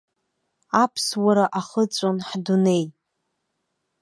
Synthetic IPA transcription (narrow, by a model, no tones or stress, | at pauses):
apʰswaɾaʔaχət͡sʷʼonħdune̞j